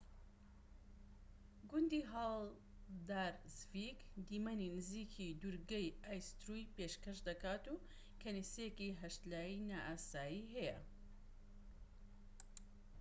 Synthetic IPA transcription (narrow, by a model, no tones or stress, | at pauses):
ɡʊnd̪iːɦaːl | d̪aːɾzvikd̪iːmɐninɨziːkʰid̪uɾɡɐjaːjst̪ɾujpeʃkɐʃd̪ɐkaːt̪uː | kʰɐnisejekiɦɐʃt̪laːjinaːʔaːsaːjiɦɛjɐ